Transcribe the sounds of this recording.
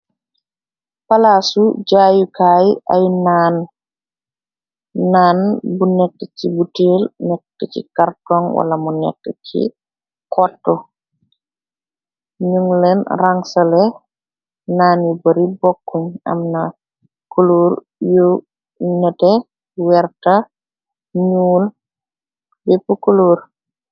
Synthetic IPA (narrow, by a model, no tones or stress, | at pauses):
palasuɟaːjukaːjʔajnan | anbunɛtːɛcibuteːlnɛktːɛcḭkartɔŋwa̰lamunɛ̰kːɛcʰḭ | kʰɔtːɔ | ɲuŋlɛnraŋsɐlɛ | naːnjubɐɾibɔkːuɲɐ̰mnɐ | kuluːɾ | ju | nɛtɛ | wɛrtɐ | ɲuːl | bɛpːukuluːɾ